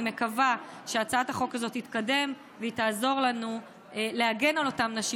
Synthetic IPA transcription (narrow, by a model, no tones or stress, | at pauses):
me̞kavaʃeat͡saathaχo̞kazo̞thitkade̞m | vetaːzo̞ʁlanu | ele̞aɡe̞nalo̞tamnaʃi